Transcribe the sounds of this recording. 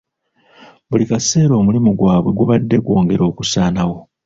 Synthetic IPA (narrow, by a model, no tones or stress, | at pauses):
βulikase̞ːɾo̞ːmulimuɡwaːβwe̞ɡuβadːe̞ɡwo̞ːŋɡe̞ɾo̞ːkusaːnawo̞